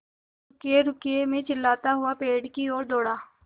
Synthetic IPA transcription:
ʊkeːɾʊkɪeːmẽːt͡ʃɪlːaːt̪aːɦʊãːpeːɽkiːoːɾd̪oːɽaː

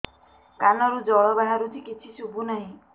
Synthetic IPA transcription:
kanɔɾud͡ʒɔɭɔbaɦaɾut̪ʰikit͡ʃʰisubunaɦĩ

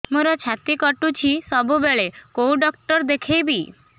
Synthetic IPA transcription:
moɾɔt͡ʃʰat̪ikɔʈut͡ʃʰisɔbʱubeɭekouɖɔk̚ʈɔɾd̪ekʰejbi

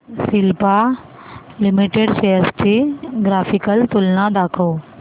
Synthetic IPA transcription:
sɪlpa | lɪmiʈeɖseəsʈʰiɡɾaːfʰɪkəlt̪ʊlnãd̪aːkʰoː

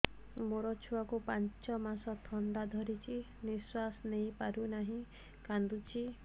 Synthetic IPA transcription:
moɾɔt͡ʃʰuwakupant͡ʃɔmasɔt̪ʰɔɳɖad̪ʱɔɾit͡ʃʰi | niswasɔnejpaɾunaɦĩ | kand̪ut͡ʃʰi

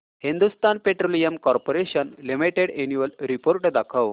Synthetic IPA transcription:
hind̪ust̪anpeʈɾolijəmkɔɾpoɾeɕənlimiʈeɽenjuʋəlɾipoɾʈd̪akʰaw

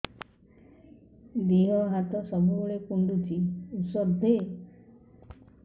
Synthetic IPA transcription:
d̪eɦɔɦat̪ɔsɔbubuɭekuɳɖutʰiusɔɾd̪ʱe

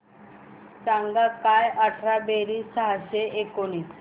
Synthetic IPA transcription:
t͡saŋɡakajʔəʈʰɾabeɾisaɦaseʔekoni

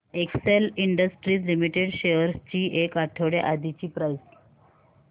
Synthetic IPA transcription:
ekseliɳɖəsʈɾiːslimiʈeɽɕeəɾst͡ɕiːʔekaʈʰəʋɽja̰ʔad̪ʱit͡ɕiːpɾajs

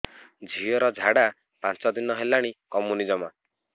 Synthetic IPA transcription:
d͡ʒʱiɔɾɔd͡ʒʱaɽa | pãnt͡ʃɔd̪inɔɦelaɽ̃ikɔmunid͡ʒɔma

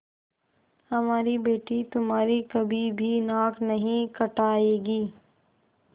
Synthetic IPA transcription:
hɐmaːɾibeːʈit̪ʊmɦaːɾikɐbʱibʱinaːknɐɦĩkɐʈaːeːɡiː

